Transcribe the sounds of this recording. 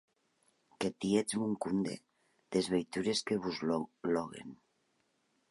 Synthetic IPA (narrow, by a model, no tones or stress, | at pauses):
ket̪ied͡zmuŋkund̪ḛ | ð̥ezβejt̪uɾeskeβuzlɔɣ̞ḛn